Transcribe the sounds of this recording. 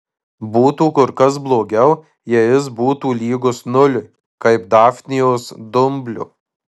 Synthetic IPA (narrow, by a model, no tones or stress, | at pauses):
buːt̪uːkʊɾkɐs̬blˠoːɡʲɛʊ | jɛjɪsbuːt̪uːlʲiːɡʊsnʊlʲʊ | kɐɪpd̪ɑːfʲnʲɪjoːsd̪ʊmʲbʲlʲʊ̰